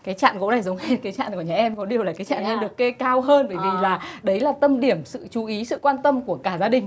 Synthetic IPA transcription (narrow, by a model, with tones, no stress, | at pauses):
kaː˨˦jt͡ɕa̰ː˧˨nko̰˧˥na˨˩jzə˨˦ŋ͡mhe˧˦t̚kaː˨˦jt͡ɕa̰ː˧˨nkəɲaː˨˩ʔɛ˧mkɔ˨˦ɗi˨˩əwlaː˨˩kaː˨˦jt͡ɕa̰ː˧˨nːɛ̰˧nɗɨ˨˩əkːe˧kaː˧wɦəː˧nvəː˧˩jvi˨˩laː˨˩ɗə˨˦jlaː˨˩t̪ə˧mɗi˧˩əmsɨ̰˧˨t͡ɕu˨˦ʔi˨˦sɨ̰˧˨kwaː˧nt̪ə˧mku˧˩əkaː˧˩zaː˧ɗï˨˩ŋ̟